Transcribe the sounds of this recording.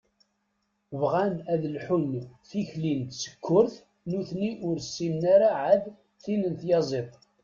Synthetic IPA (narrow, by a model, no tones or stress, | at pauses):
vʁænæðlħʊnθiçlint̪sə̥kʰːʊɾθ | nuθniʔʊɾsːimnaɾaʕað | θinənθjɑzˤet̪ˤ